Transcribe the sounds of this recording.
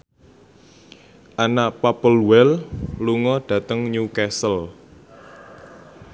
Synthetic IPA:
ʔanaʔpapəlwɛlluŋɔɖ̥ä̤t̪əŋɲukɛsəl

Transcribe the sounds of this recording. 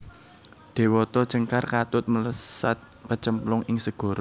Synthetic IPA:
d̪̥e̤wɔt̪ɔ̥ʒ̥əŋkarkat̪ʊt̪̚mələsa̰t̪̚pət͡ʃəmplʊŋɪŋsəɡ̥o̤ɾo

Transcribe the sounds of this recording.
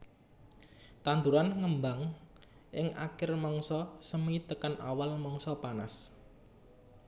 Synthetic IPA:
t̪and̪uɾanŋəmbaŋ | ʔɪŋʔa̰kɪrmɔŋsɔsəmit̪əkanʔa̰walmɔŋsɔpana̰s

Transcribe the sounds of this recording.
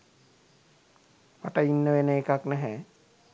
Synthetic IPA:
paʈainːəʋenəekaknɛɦɛ̃

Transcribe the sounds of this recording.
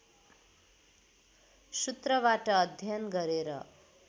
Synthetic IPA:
sut̪rʌβaʈʌːd̪ʱjʌnɡʌɾeɾʌ̰

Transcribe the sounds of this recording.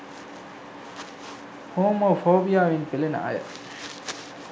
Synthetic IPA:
hoːmoːfoːbijaːʋinpilen̰ɐ̰jɐ̰

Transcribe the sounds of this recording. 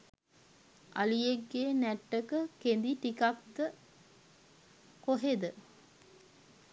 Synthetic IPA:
ʔa̰lijeɡːeːnæʈːəkəkend̪iʈikak̚d̪ə | koɦed̪ə

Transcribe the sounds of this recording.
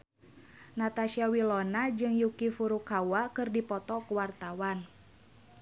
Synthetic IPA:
nat̪aʃiawilɔnad͡ʒɨŋjukifuɾukawakɨrdipɔt̪ɔkuwart̪awan

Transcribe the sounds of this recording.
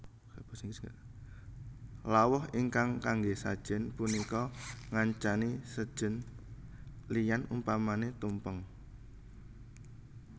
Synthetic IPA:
b̥ɔsiŋɡs | lawɔhiŋkaŋkaŋɡesad̥ʒ̥ə̤npunikɔŋaɲt͡ʃanisəd̥ʒ̥ə̤n | lijanumpamanet̪umpəŋ

